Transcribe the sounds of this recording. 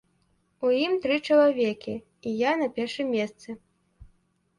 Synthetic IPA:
ujimt̪ɾɨt͡ʂɐlˠavʲɛkʲi | ijanɐpʲɛrʂɨmʲːɛst̪sɨ

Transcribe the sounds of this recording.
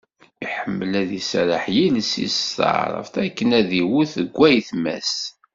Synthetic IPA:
iħəmːəlæðisɾəħjilsḭstə̰ʕɾˤə̰fθækːənæðiwuθəɡʷːæjθmæ̰s

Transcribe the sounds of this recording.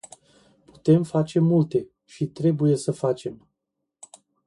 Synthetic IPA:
pu̥t̪e̞mfat͡ʃe̞mult̪e̞ | ʃit̪ɾe̞buje̞səfat͡ʃe̞m

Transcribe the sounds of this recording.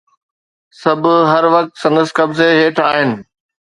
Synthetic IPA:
sɐbʱɦɐɾʋɐk̚t̪sɐ̃nd̪əskɐbzeɦeːʈʰaːɦɪnɪ̆

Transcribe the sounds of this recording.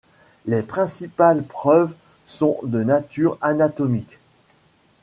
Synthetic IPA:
lepχɛ̃sipalpχœv | sɔ̃d̪ənat̪yʁanat̪ɔmik

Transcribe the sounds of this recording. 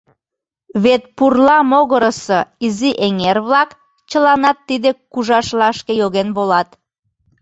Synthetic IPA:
βet̪̚purlɑmoɣəɾəsɤiziʔeŋerβlɑk | t͡ɕəlɑnɑt̪ːid̪ekuʒɑʃlɑʃkejoɣenβolɑt̪

